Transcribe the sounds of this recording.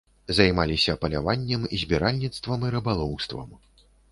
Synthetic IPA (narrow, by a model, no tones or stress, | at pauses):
zajmalʲisʲɐpɐlʲa̰vanʲːɛmizʲbʲɛɾalʲnʲit̪st̪vɐmiɾɨbalˠɔwst̪vɐ̰m